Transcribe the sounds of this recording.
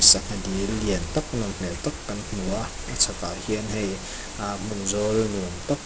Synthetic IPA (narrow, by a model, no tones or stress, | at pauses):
sak̚adilːiənt̪ɐk̚naŋm̥ɛlt̪ɐkːɐnm̥uɐ | ʔat͡sʰakahiənɦɛj | ʔam̥unzɔlnunt̪ak̚